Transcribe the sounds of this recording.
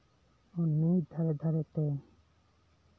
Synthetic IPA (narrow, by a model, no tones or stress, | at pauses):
onːid̪ʱaɾed̪ʱaɾet̪e